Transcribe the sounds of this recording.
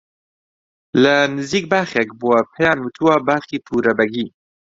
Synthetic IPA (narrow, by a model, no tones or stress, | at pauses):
lənɨziːk̚baːxɛkbuwɛpʰɛjɑːnwut̪ʰuwɑːbaːxiːpʰuːɾɐbɛɡiː